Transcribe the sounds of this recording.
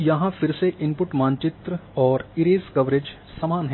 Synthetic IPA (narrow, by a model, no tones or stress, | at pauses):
jɐɦãfɪɾseʔɪ̃mpʊʈmãːnt͡ʃɪt̪ɾəɔːɾɪɾeːskɐʋɾeːd͡ʒ | sɐmaːnɦ